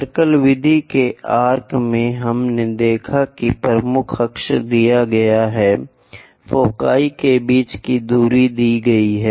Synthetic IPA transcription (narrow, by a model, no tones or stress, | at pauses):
ɾkəlʋɪd̪ʱikeaːɾkmẽɦɐmned̪eːkʰakipɾəmʊkʰɐkʃd̪ijaɡɐjaɦɛ | foːka̰ːikebiːt͡ʃkid̪uːɾid̪iːɡɐiɦɛː